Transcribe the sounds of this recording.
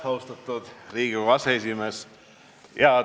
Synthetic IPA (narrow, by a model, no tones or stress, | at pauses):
hɑwst̪ɑt̪ːˑud̪̥riːɡ̥ivɑseesʲimes | jɑ